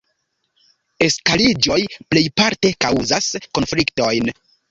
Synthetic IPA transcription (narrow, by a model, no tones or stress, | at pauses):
e̞skalid͡ʒo̞jple̞jpaɾte̞kawzasko̞nflikto̞jn